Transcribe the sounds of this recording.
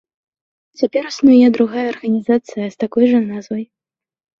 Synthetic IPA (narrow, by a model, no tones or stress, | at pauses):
t͡sʲapʲɛɾusnujad̪ɾuɣajɐːrɣɐnʲizat̪sɨjɐst̪akɔjʐɐnazvɐj